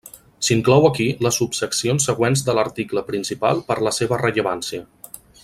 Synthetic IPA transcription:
siŋklɔwəkiləsupsəksionsːəɣwenzd̪ələɾt̪ikləpɾinsipa̰lˠpəɾləseβərəʎəβansiə

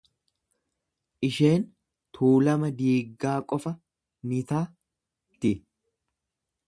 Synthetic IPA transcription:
ʔɪʃeːn | t̪ʰuːlɐmɐd̪iːɡːaːkʼɔfɐ | nɪt̪aː | t̪ɪ

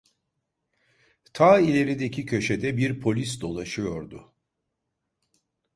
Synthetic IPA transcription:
t̪ʰaːilʲe̞ɾid̪ecʰicʰø̞ʃed̪ɛbiɾpʰo̞lʲis̬d̪o̞lˠaʃɯjo̞ɾd̪ʊ

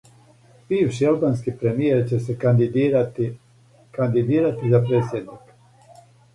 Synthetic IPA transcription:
b̥iːʋʃialˠbaːnskipɾemijeɾt͡ɕese | kand̪id̪iːɾat̪izapɾeːt̪sʲjed̪nik

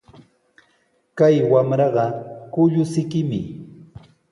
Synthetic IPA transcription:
kajwamɾɑɢɑkʊʎʊsɪkɪmɪ̰

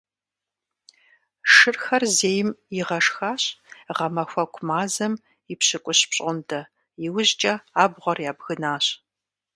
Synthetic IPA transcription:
ʂɨrxɐrzeːjɪmjɪʁɐʂxaːɕʼʁɐmɐxʷɐkʷʰʼʊmaːzɐm | ɪpɕɪkʷʼʊɕpɕʼʊntʰɐ | jɪwʊʑt͡ʃʼɐaːbʁʷɔrjaːbɣɨnaːɕ

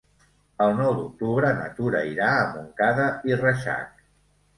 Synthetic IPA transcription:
əlˠnɔwd̪uk̚t̪uβɾənə̰t̪uɾəiɾaəmuŋkaðəirəʃa̰k̚

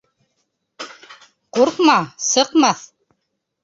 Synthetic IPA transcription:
quɾqmɑsɤ̆qmɑθ

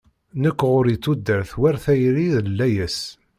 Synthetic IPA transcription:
nəkʷːʁʊɾit͡sːud̪ːəɾθwæɾθæjɾiðəlːæjəs

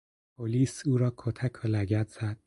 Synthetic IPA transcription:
pʰoliːsuːɾɒːkʰot̪ʰækʰolæɟæɾd̪z̥æd̪̥̚

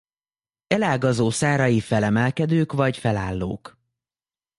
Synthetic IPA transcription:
ɛlaːɡɒzoːsaːɾɒjifɛlɛmɛlkɛd̪øːkvɒcfɛlaːlːo̰ːk

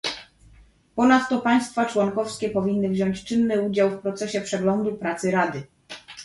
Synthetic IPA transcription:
pɔnat̪ːɔpaj̃st̪fat͡ʂwɔŋkɔfskʲɛpɔvʲinːɘvʑɔɲt͡ɕt͡ʂɘnːɘud͡ʑawfpɾɔt̪sɛɕɛpʂɛɡlɔnd̪upɾat̪sɘɾad̪ɘ

